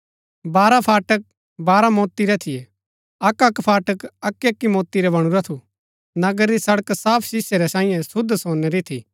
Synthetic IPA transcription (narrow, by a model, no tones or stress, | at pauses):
baːɾapʰaːʈək̚ | baːɾamoːt̪ːiɾɛt̪ʰijɛ | ɐkɐkpʰaːʈəkɐkːiɐkːimoːt̪ːiɾɛbɐɽ̃uɾat̪ʰu | nɐɡəɾːisɐɽəksaːpʰsɪsjeɾɛsãːĩjɛ̃sʊd̪soːneɾit̪ʰiː